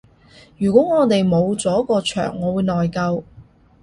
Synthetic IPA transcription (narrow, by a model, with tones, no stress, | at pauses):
jyː˨˩kʷɔː˨˥ŋɔː˨˧t̪e˨jmo˨˧wt͡sɔː˨˥kɔː˧t͡ʃʰœ̰ː˨˩ŋːɔː˨˧wuː˨˧jnɔː˨jkɐ˧w